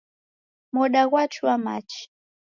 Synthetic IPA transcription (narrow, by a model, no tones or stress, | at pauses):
mɔɗaɣwat͡ʃʰuwama̰t͡ʃi̥